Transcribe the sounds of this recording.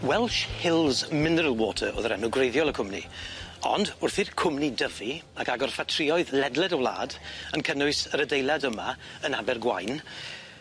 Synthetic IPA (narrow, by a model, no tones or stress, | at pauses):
wɛlˠʃhɪlˠzmɪnəɾəlˠwɔːtʰəo̰ːðəɾɛnʊɡrejðjɔlˠəkʰʊmnḭɔ̰ndʊrθirkʰʊmnidəviakaɡɔrfatʰrɪɔɨðlɛdlˠɛdəwlˠa̰ːdənkʰənʊɨsəɾədejlˠadəmaənabɛrɡwa̰jn